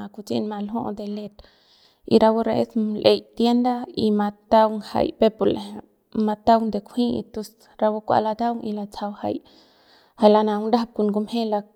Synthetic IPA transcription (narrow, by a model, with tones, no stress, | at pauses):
a˨ku˧t͡sḭ˦˧nma˧lɦõ̰˦ʔd̪e˧le˧t̪ | ḭ˧ɾa˧wu˦ɾa˧ʔe˦slʔe˧jt̪je˦nd̪a˦i˧ma˧t̪a˦wŋha̰˧˨jpe˦pu˨le˨ɦ | ma˧t̪a˦wnd̪e˨kʷʰhĩ˦ḭ˧t̪u˧s | ɾa˧wu˦kʷa̰˧la˧d̪a˦wŋi˧la˧t͡sa˧wha̰˧˨j | ha˧jla˧na˨wnda˦a˧b̚ku˧˨nɡu˧mhe˦la˧